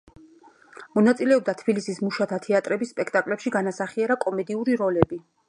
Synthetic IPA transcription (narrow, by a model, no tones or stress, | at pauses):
mɔnat̪sʼilɛɔb̚d̪at̪ʰb̥ilisismuʃat̪ʰat̪ʰɛat̪ʼɾɛbisːpʼɛkʰt̪ʼakʼlɛpʃiɡanasaχiaɾakʼɔmɛd̪iuɾiɾɔlɛbi